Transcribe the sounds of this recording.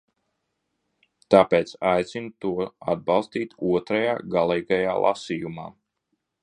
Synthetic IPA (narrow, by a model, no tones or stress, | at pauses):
t̪aːpeːt̪sajt̪sinut̪uɔa̰d̪̚bɑlˠst̪iːt̪uɔt̪ɾajaːɡalˠɛjɡajaːlˠʔa̰sijumaː